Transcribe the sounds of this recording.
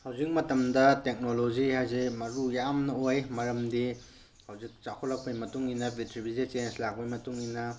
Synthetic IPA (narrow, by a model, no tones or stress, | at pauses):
hɐwzik̚mɐtɐmdɐtek̚noloziɦajzimɐɾujamnɐojmɐɾɐmdi | hɐwzik̚t͡ʃakʰolɐk̚pɐjmɐtuŋinɐbitɾibizit͡ʃenslak̚pɐjmɐtuŋinɐ